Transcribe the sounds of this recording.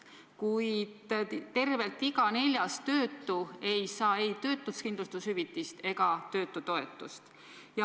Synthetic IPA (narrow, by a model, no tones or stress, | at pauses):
kujd̪̥t̪e̞rve̞lt̪ːiɡɑne̞lʲjɑstt̪ø̞ːt̪ːue̞jsɑːejt̪ø̞ːt̪ːˑuskind̪lust̪ushyvit̪ːˑist̪e̞ɡ̥ɑt̪ø̞ːt̪ːˑut̪o̞e̞t̪ːˑust̪ | jɑ